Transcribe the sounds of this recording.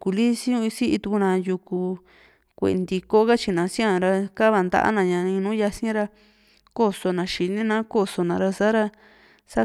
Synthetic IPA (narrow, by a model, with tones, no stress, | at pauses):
ku˧li˦si˦õ˧i˧si˦ʔi˧t̪u˧ku˧nã˧˨ju˧ku˧ | kʷḛ˨˧nd̪i˧ko˦ka˦t͡ʃi˧nã˨˧si˦ã˧ɾa˧ka˦βa˧nd̪a̰˧ʔa̰˦nã˧ɲã˧nĩ˧nũː˦ja˧sĩ˦ɾa˧ | ko˦so˧nã˨ʃi˨nĩ˦nã˦ko˦so˧nã˨ɾa˧sa˦ɾa˧ | sa˦